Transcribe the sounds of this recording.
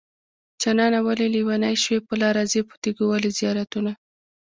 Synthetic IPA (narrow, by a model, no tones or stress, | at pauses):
t͡ʃanɑnawaleliwanajʃwepəlɑɾazepə̥t̪eɡowalizijɑɾat̪una